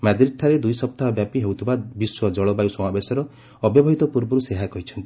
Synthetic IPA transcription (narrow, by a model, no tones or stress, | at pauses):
mad̪ɾiʈ̚ʈʰaɾed̪ujsɔp̚t̪aɔbjapiɦewt̪ʰibabiswɔd͡ʒɔɭɔbajusɔmabesɔɾɔ | ɔbjɔbɔɦit̪ɔpuɾbɔɾuseɦakɔɦit͡ʃʰɔnt̪i̥